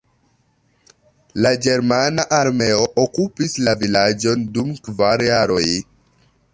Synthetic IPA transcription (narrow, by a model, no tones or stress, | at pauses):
laɡe̞ɾmanaʔaɾme̞o̞ʔokupislavilad͡ʒo̞ndumkvaɾjaɾo̞j